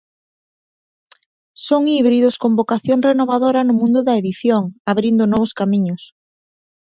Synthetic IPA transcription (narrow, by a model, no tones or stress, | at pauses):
soŋiβɾiðʊskombokaθjoŋrenoβaðoɾɐnʊmũnd̪ʊðɐeðiθjoŋaβɾind̪ʊnɔβʊskamĩɲʊs